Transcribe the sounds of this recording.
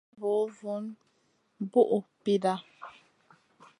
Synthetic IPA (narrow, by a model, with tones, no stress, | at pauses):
bo˨˦vu˦n | bu˦ʔu˨pi˦da˦